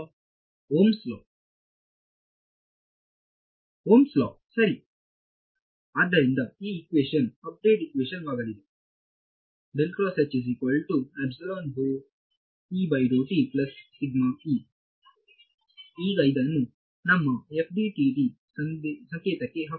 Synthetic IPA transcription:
ɦoːmslɔ | ɦoːmslɔsɐɾi | ad̪ʱːɐɾind̪ɐiːkʋeʃənɐp̚ɖ̪eːʈikʋeʃənʋaɡɐɽid̪e | belʈɾɔsat͡ɕis̬ikʋəlɖʈuɛbselonɦo | iːbajɾoʈiplɐsːiɡmaki | iːɡajd̪anũ | nɐmːɐefɖ̪iʈiʈi | sɐsɐ̃ŋkeːt̪ɐkeɦɐ

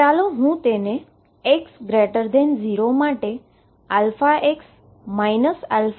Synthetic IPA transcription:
t͡ʃaloɦũt̪enẽ | eksɡɾeʈəɾd̪ʱenziɾomaʈe | alfaʔeks | majnəsa̰lf

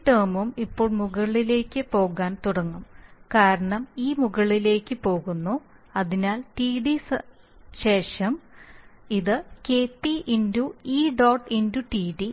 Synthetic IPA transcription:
ʈɐːmumipːo̞ːɭmuɣɐɭile̞ːkʲːɨpo̞ːɣaːnt̪uɽɐŋːumkaːɾɐɳɐmiːmuɣɐɭile̞ːkʲːɨpo̞ːɣunːu | ɐðinaːlʈiːɖis | ɕe̞ːʂɐm | iðɨkeːpːiʔinduiːɖoːʈːinduʈiːɖi

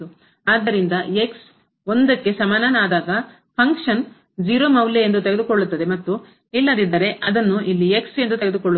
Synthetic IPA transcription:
u | aːd̪ɐɾind̪ɐeks | o̞nd̪ɐkːe̞sɐmaːnaːnaːd̪aːɡɐ | pʰɐŋkʂɐn | d͡ʒiːɾoːmɐwleend̪ut̪e̞ɡed̪ukoɭːut̪ːɐd̪e̞mɐt̪ːu | ilːɐd̪id̪ːɐɾe̞ʔɐd̪ɐnːuʔilːie̞kse̞nd̪ut̪eɡe̞d̪ukoɭːu

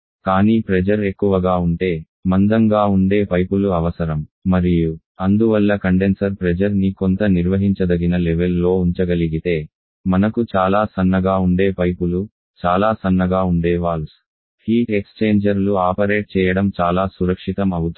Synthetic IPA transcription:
kaːniːpɾɛd͡ʒɐɾekːuʋɐɡaːuɳʈe̞ː | mɐnd̪ɐŋɡaːuɳɖe̞ːpɐjpuluɐʋɐsɐɾɐmmɐɾiju | ɐnd̪uʋɐlːɐkɐɳɖensɐɾpɾɛd͡ʒɐɾnikont̪ɐniɾʋɐɦiɲt͡ʃɐd̪ɐɡinɐlɛʋelːo̞ːuɲt͡ʃɐɡɐliɡit̪e̞ː | mɐnɐkut͡ʃaːlaːsɐnːɐɡaːuɳɖe̞ːpɐjpulu | t͡ʃaːlaːsɐnːɐɡaːuɳɖɛːʋaːɭu | hiːʈekst͡ʃe̞ːɲd͡ʒɐɾluaːpɐɾe̞ːʈ̚t͡ʃɛːjɐɽɐmt͡ʃaːlaːsuɾɐkʂit̪ɐmɐwut̪u

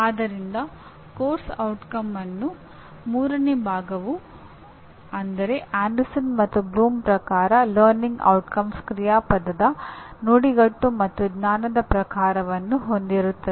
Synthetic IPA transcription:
aːd̪ɐɾind̪ɐ | koːɾsɐwʈkɐmːɐnːu | muːɾɐnebʱaːɡɐʋu | ɐnd̪ɐɾe̞ʔaːɳɖɐsɐnmɐt̪ːubluːmpɾɐkaːɾɐlɐːɾniŋɡɐ̰wʈkɐmskɾijaːpɐd̪ɐd̪ɐnuːɽiɡɐʈːumɐt̪ːuɡnaːnɐd̪ɐpɾɐkaːɾɐʋɐnːuɦo̞nd̪iɾut̪ːɐe

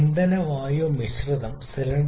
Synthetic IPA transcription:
nd̪ɐnɐʋaːjoːmiɕrɨðɐmsilɐɳ

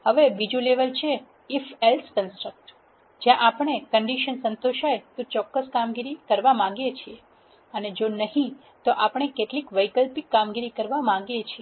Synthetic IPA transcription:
həʋebid͡ʒuleʋəlt͡ʃʰeː | felskənsʈɾək̚ʈ | d͡ʒjãʔapəɳ̃ekəɳɖiʃənsə̃nt̪oʃajet̪õt͡ʃɔkːəskamɡiɾikəɾʋamãɡjet͡ʃʰie | əned͡ʒonəɦĩ | t̪oʔapəɳ̃ekeʈlikʋəjkəlpikːamɡiɾikəɾʋamãɡjet͡ʃʰie

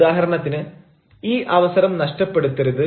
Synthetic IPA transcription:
aːɦɐɾɐɳɐt̪ːinɨ | iːʔɐʋɐsɐɾɐmnɐʂʈɐpːeɽut̪ːɐruðɨ

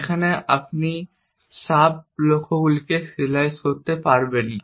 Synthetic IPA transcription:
kʰaneʔap̚ni | ʃab̚lokʰoɡulkesilajskoɾt̪epaɾben

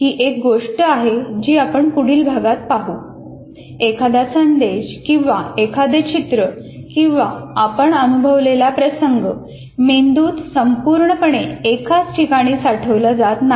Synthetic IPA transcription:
ɦiːʔek̚ɡoʂʈəaɦed͡ʑiːapəɳkuɽ̤iːlbʱaɡat̪̚paɦuː | ekʰad̪asənd̪eɕkĩw̃ʋaekʰad̪et͡ɕit̪ɾəkĩw̃ʋaapəɳənubʱəʋlelapɾəsəŋɡə | mend̪uːt̪səmpuɾɳəpəɳ̃eekat͡sʈʰikaɽ̃iːsaʈʰəʋləd͡zat̪na

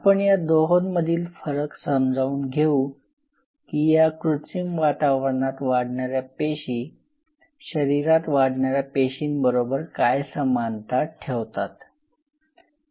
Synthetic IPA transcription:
apəɳjad̪oɦonməd̪ʱiːlfəɾəksəmd͡zʱauːnɡʱeu | kiːjakɾut͡simʋat̪aʋəɾɳat̪ʋaɽɳaɾjapeɕiː | ɕəɾiɾat̪ʋaɽɳaɾjapeɕiːnbəɾobəɾkajsəmant̪aʈʰeʋt̪at̪

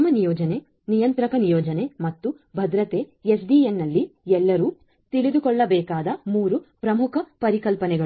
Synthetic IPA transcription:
ɐmːɐnijɔːd͡ʒɐne | nijɐnt̪ɾɐkɐnijɔːd͡ʒɐne̞mɐt̪ːu | bʱɐd̪ɾɐt̪eːesɖijenːɐlːiɛlːɐɾuː | t̪iɭid̪ukɔɭːɐbɛːkaːd̪ɐmuːɾupɾɐmukʰɐpɐɾikɐlpɐnɛɡɐ

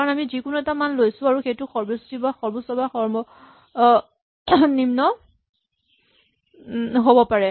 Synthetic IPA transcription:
kaɹɔnamizikʊnuɛtamanlojsʊ̃aɹuxejtʊxɔɹbosu̥tibaxɔɹbosɔbaxɔɹmɔ | nimnɔ | ɦobɔpaɹɛ

